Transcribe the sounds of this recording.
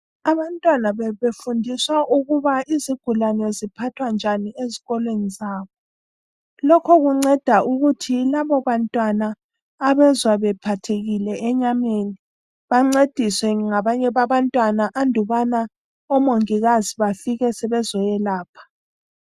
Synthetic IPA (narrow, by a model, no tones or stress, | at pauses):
aβantʼwanaβɛβefundʱiswaʔuɣuβaiziɡ̥ʱulanɛzipʰatʰwand͡ʒʱanieziɣɔlwenizaːβɔ | lɔkʰɔɣuŋ͡ǀɛd̥ʱaʔuɣutʰilaβɔβantʼwanaː | βɛzwaβɛpʰatʰeɣilɛːɲameːni | βaŋ͡ǀed̥ʱiswɛŋaβaɲɛβaβantʼwanaʔandʱuβana | ɔmoŋiɣaziβafiɣɛsɛβɛzɔjɛlaːpʰḁ